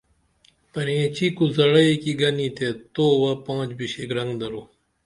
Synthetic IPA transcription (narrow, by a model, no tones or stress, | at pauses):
pɐɾẽːt͡ɕikuzɐɽɐekiɡɐnit̪et̪oːwapãːd͡ʑbiɕeɡɾɐŋɡd̪ɐɾo